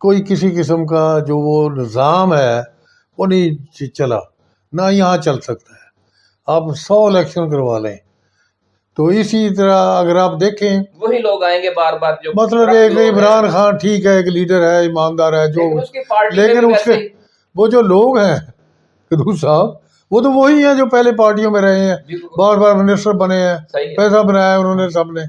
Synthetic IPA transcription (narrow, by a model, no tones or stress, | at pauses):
koːikɪsikɪs̬əmk̬ad͡ʒoːʋoːnɪzaːmɦɛː | oːnɐɦĩt͡ʃɐla̰ː | najɐɦãt͡ʃɐlsɐk̚t̪aɦɛː | aːpsɔːɪlɛːkʃənk̬əɾʋaːlḛ̃ | t̪oːɪsit̪əɾaɐɡəɾaːpd̪eːkʰẽoɦiloːɡaːẽːɡeaːɾbaːɾmɐt̪ləbeːkɪmɾaːnxaːnʈʰiːkɦɛeːkliːɖəɾɦɛːɪmãːmd̪aːɾɦɛːd͡ʒoːleːkɪnʊse | ʋoːd͡ʒoːloːɡɦɛ̃ː | kəd̪uːsaːb | ʋoːt̪̬oʋoɦiɦɛ̃ːd͡ʒoːpɛːɦlep̬aːɾʈijõːmẽɾɐɦẽɦɛ̃ːbaːɾbaːɾmɪnɪsʈəɾbəneɦɛ̃ːipɛːsabənaːjaʊnɦõːnes̬əbneː